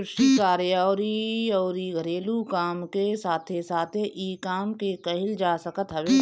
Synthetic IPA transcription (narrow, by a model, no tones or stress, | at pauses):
ɪʃʈikaːɾjaːoɾiɔːɾiːɡʱəɾeːlukaːmkesaːt̪ʰesaːt̪ʰeʔiːkaːmkekɐɦɪld͡ʒaːsəkət̪ɦɐʋe